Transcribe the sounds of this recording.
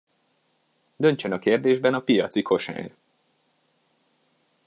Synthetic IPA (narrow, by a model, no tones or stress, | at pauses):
d̪ø̞nt͡ʃønɒkeːrd̪eːʒbɛnɒpijɒt̪sikʰo̞ʃa̰ːn